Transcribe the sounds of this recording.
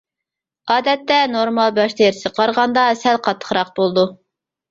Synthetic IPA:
ɑːd̪ɛt̪ːɛnoɾmɑlˠbɑʃt̪ʰeɾsɨqʰɑɾʁɑnd̪ɑsɛlqʰɑt̪ʰːə̥χɾɑq̚bolˠd̪u

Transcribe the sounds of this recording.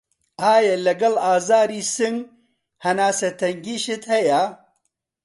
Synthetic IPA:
aːjalɐɡɐlaːzaːɾisiŋɡ | hɐnaːset̪ɐŋɡiʃit̪hɐja

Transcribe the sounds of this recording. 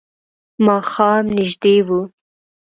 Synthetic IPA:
mɑːxɑːmnɪʒd̪ewu

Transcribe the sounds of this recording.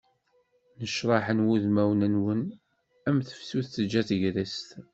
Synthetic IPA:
nəʃɾˤɑħənwuðmæwnənwən | æmθə̥fsuθθəd͡ʒːæθʝɾist̪

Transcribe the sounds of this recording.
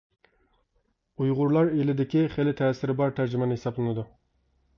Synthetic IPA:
ujʁʊɾlˠɑɾelɪd̪ɪkʲiχelɪt̪ʰɛːsɪɾɪbɑɾt̪ʰæɾd͡ʒɪmɛnɪhesɑblˠɨnɨd̪u

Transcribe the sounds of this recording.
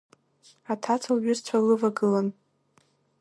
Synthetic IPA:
atʰat͡sʰalɥʊst͡sʷʰalɨvaɡɨlan

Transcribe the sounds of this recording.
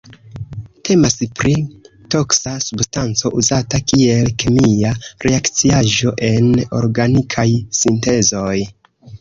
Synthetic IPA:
tʰe̞maspɾi | to̞ksasubstant͡so̞ʔuzatakie̞lkemiaɾe̞akt͡siaʒo̞ʔe̞no̞̰ɾɡanikʰajsinte̞zo̞j

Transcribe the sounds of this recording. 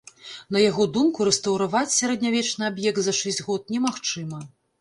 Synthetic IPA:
n̪ɐjaɣɔd̪umkuɾɛst̪ɐwɾavat͡sʲsʲaɾɐd̪ʲnʲavʲɛt͡ʂnɨabjɛk̚t̪zɐʂɛsʲd͡zʲɣɔt̪̚nʲɛmaxt͡ʂɨmɐ

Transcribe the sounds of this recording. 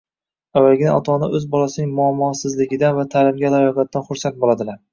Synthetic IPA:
avːalɡʲɪna̰ɒt̪ʰɒnɪʔɵzbɒlasɪnɪŋmʊamːɒsɪzlɪɡʲɪd̪anvat̪ʰaːlɪmɡʲalajɒqat̪̚ːanχʊɾsant̪̚bolˠad̪ɪlaɾ

